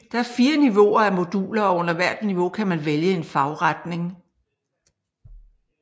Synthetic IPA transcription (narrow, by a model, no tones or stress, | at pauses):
d̥ɑ̈æɐfiːɐniʋo̝̰ɐæmo̝d̥uːlɐɒɔ̽n̰ɐʋæɐ̰d̥niʋo̝kʰæmænʋeljəe̝nfɑ̈ʊʁad̥ne̝ŋ